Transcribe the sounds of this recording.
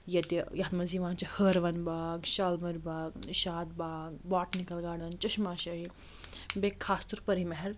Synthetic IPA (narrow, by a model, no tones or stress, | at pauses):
jɐt̪ijɐɦt̪mɐziːʋãːnt͡ʃɐhəːɾʋɐnbaːɡʃaːlmɐɾbaːɡiʃaːd̪̚baːɡbaːʈnikɐlɡaːɽɐnt͡ʃɐʃmaːʃɐɦi | bekʰːaːst̪uɾpɐɾimɐɦɛl